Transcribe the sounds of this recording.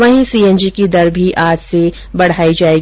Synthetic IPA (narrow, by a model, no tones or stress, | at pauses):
ʋɐɦĩsiːɛ̃nd͡ʒikid̪ɐɾbʱiʔaːd͡ʒse | bɐɽ̤aːid͡ʒaːeːɡ